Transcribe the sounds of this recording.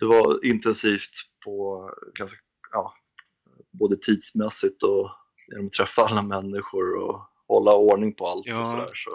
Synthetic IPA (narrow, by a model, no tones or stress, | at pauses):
d̪̥ɛvaɪnt̪ɛnsiːft̪pʰɔɡanska | jɑː | boːd̪ət̪ʰiːd̪̥smɛsɪt̪ɔ | jḛnɔmɔt̪ʰːɾɛfːaalːamɛnːɪɧʊɾɔ̰ | hɔlːaoːɳɪŋpʰɔalt̪ɔsɔd̪æ̰ːʂɔ̰